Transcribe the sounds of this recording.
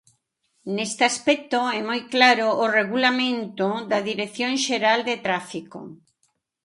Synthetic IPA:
nest̪ɪaspɛk̚t̪oɛmojklaɾoʔːreɣulamẽnt̪oðaðiɾeθjõŋʃeɾald̪et̪ɾafiko̰

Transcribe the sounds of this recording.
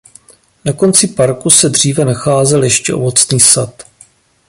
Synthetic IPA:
nako̞nt͡sɪpaɾkusɛdr̝iːvɛnaxaːzɛljɛʃcɛ̰ʔo̞̰vot͡sniːsat̪

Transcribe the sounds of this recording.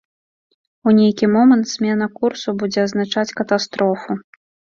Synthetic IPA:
unʲejkʲimɔmɐnt̪z̥ʲmʲɛn̪ɐkursubud͡zʲɛɐznat͡ʂat͡sʲkɐt̪ast̪ɾɔfu

